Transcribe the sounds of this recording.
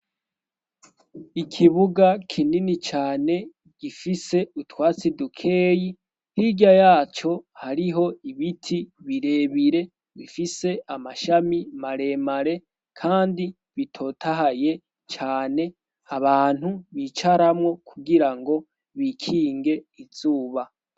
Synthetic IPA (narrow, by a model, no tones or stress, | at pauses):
ikʰiβuɡakʰininit͡ʃaːne̞ | ɡ̥ifise̞utwaːt͡sidukʰe̞ːji | hiɟajaːt͡ʃo̞haɾiɦo̞iβitʰiβiɾe̞βiɾe̞ | βifise̞ʔamaʃamimaɾe̞maɾe̞ | kʰaːndi | βitʰo̞tʰaɦaje̞ | t͡ʃaːne̞ | aβaːn̥huβit͡ʃaɾamŋo̞kʰuɡiɾaŋɡo̞ | βikʰiːŋɡe̞iz̥uːβa